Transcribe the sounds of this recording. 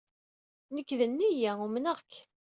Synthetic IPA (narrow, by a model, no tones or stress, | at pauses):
nəkːðənːijæumnəʁk